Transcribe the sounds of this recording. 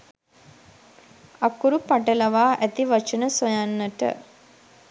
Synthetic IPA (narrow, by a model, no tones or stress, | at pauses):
akuɾupaʈəlɐʋaːʔæt̪iʋat͡ʃənəsojanːəʈə̰